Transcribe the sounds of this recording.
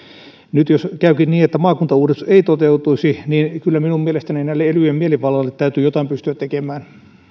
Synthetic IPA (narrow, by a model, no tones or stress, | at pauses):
nyt̪joskæykinniːet̪ːæmɑːkunt̪ɑuːdest̪ueit̪ot̪eut̪uisiniːnkylːæminummielest̪æninæilːeelyjemieliʋɑlːɑlːet̪t̪ːæyt̪yjot̪ɑˑimpyst̪yæt̪t̪ekemæːn